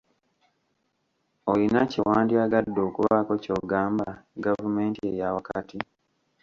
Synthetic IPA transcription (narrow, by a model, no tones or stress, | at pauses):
olinacewaːndiaɡadːoːkuβakoco̞ːɡaːmbaɡavumeːntiejawakatʰi